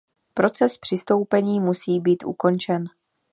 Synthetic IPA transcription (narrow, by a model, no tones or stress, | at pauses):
pɾo̞t͡sɛspr̝̥ɪst̪o̞wpɛɲiːmusiːbiːt̪ʔṵko̞nt͡ʃɛn